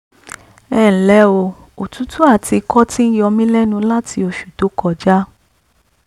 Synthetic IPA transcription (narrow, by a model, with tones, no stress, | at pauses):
ɛ˦˨ñ̩˨lɛ˨˦o˧ | o˨tũ˨˦tu˦a˦˨ti˧kɔ˦tĩ˦n̩˦jɔ˧mĩ˦lɛ˦nũ˧la˦tʰi˧o˧ʃu̥˨to˨˦kɔ˧˨d͡ʒa˦